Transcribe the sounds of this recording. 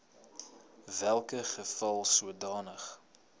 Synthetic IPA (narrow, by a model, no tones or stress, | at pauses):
vælˠkəχəfɐlˠsuədɑːnəχ